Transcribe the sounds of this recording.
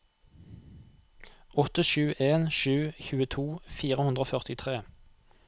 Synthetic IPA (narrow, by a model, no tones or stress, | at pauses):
ʔɔt̪əʃʉːʔeːnʃʉːçʉːət̪ʰuːfiːʁəhʉnd̪ʁoːfœʁt̪ɪt̪ʰʁeː